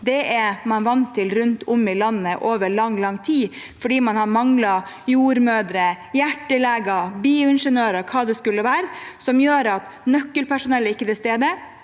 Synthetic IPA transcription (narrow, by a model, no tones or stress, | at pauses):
d̪ɛʔɛmɑnʋɑnt̪ʰːɪlɾʉnt̪ʰʊmɪlɑnːəʔoːʋəɾɭɑŋːlɑŋːt̪ʰiː | fɔɖiːmɑnhɑmɑŋlɑjuːɾmøːd̪ɾə | jæʈːəlæːɡɑɾbiːʊɪnʂənøːɾəkʰɑːd̪ɛskʉlːəʋæːɾsɔmjøːɾɑt̪ | nœkːəlpʰæʂʊnɛlːəɪkːət̪ɪst̪eːd̪ə